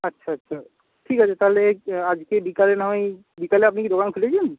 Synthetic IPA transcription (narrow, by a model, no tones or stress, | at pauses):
ɐtːʃʰaɐtːʃʰa | ʈʰiːkɦət͡ʃʰet̪aɦlead͡ʒkebikalenɐme | bikaleɐp̬nikid̪ʱokaːnkʰuled͡ʒʰen